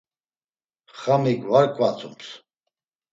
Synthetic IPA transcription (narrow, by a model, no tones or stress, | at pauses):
χamiɡvaɾkʼwat͡sʰʼums